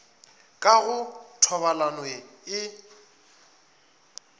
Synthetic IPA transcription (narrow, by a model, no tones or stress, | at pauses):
kʼaɣʊtʰɔβalanweɪ